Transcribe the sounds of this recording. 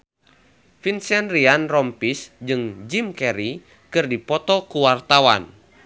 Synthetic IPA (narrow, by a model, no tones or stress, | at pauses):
finsɛnrianrɔmpisd͡ʒɨŋd͡ʒimkɛɾi | kɨrdipɔt̪ɔkuwart̪awa̰n